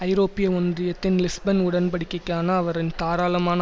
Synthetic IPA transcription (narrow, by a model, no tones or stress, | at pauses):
ɐɪɾoːpːɪjɐɔnd̪rɪjɐt̪ːɪnlɪsbɐnʊɽɐnpɐɽɪkːɐkːaːnɐːʋɐɾɪnt̪aːɾaːlɐmaːnɐ